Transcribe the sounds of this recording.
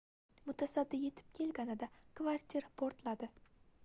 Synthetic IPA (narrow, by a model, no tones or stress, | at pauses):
mʊt̪ʰasad̪ːɪje̞t̪ʰɪ̥p̚kʲʰe̞lɡʲanɪd̪akvaɾt̪ʲʰiɾapʰoɾt̪lad̪ɪ